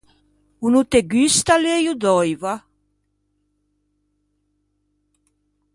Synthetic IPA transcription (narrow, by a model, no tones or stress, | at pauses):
unut̪eɡyst̪alejud̪ɔjva